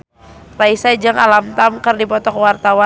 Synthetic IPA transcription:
raisad͡ʒaŋalamt̪amkərdipɔt̪ɔkwart̪awa

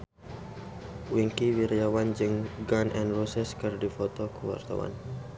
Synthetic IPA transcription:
wiŋkiwiɾiawand͡ʒɨŋɡanʔɛnrusɛskɨrdifɔt̪ɔkəwa̰rt̪a̰wa̰n

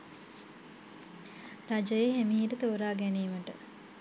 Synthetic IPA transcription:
rad͡ʒəjeɦemiɦiʈət̪oːɾaːɡæniːməʈə

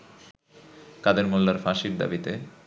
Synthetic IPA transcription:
kad̪eɾmolːaɾfaʃiɾd̪a̰bit̪e

